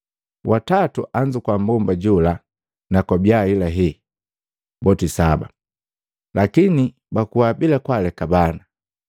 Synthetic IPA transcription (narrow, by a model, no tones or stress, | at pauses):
watatuʔaɲd͡ʒukwambɔmbaɟula | nakɔbjailaɦɛ | bɔtisaba̰ | lʔakini | bakuwabilakwalɛkabana